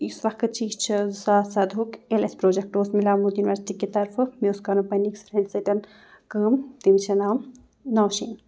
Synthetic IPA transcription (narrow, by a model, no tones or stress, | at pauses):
isʋɐkkɨt͡ʃiːzt͡ʃʰisaːsɐd̪ʱukelespɾoːd͡ʒek̚ʈoːsmilaːmud̪juniʋɐɾsi̥ʈiket̪ɐɾfʰmeoskanupɐniksfɾeɳɖseʈɐn | kəːmt̪imt͡ʃʰɐnaːm | naːʃḭːn